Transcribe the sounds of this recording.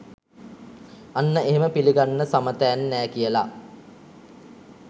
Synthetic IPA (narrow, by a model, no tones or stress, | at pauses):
anːəeɦeməpiliɡanːəsamət̪æːnːæːkijəla